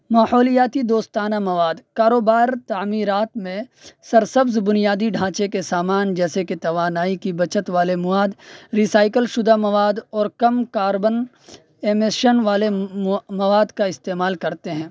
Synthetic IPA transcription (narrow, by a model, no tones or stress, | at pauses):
maːhɔːlijaːt̪id̪oːst̪aːnamɐʋaːd̪kaːɾoːbaːɾt̪aːmiːɾaːt̪mẽsɐɾsəbzbʊnijaːd̪iɖʱãːt͡ʃekesaːmaːnd͡ʒɛːseket̪ɐʋaːnaːikibɐt͡ʃət̪ʋaːlemʊʋaːd̪ɾiːsaːɪkəlʃʊd̪ʱamɐʋaːd̪ɔːɾkɐmkaːɾbən | eːmeʃənʋaːlemɐʋaːd̪kaɪst̪eːmaːlkɐɾt̪eɦɛ̃ː